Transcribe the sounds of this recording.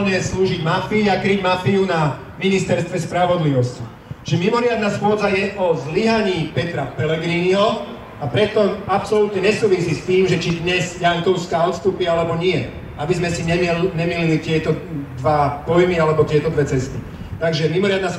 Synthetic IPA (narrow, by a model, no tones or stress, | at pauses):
ɲɛsluːʒiɟmafiiakɾiɟmafiuna | minist̪ɛɾst̪ʋɛspɾaʋɔd̪liʋɔsci | t͡ʃmimɔɾɪad̪nasxʊɔd͡zajɛʔɔzliɦaɲiːpɛt̪ɾapɛlɛɡɾiniɦɔ | apɾɛt̪ɔapsɔlut̪ɲɛɲɛsuːʋisist̪iːmʒɛt͡ʃid̪ɲɛzjaŋkɔʊskaːɔt̪st̪uːpialɛbɔɲɪɛ | abizmɛsiɲɛmɛlɲɛmililit̪ɪɛt̪ɔd̪ʋapɔjmialɛbɔt̪ɪɛt̪ɔd̪ʋɛt͡sɛst̪i | t̪aɡʒɛmimɔɾɪad̪nas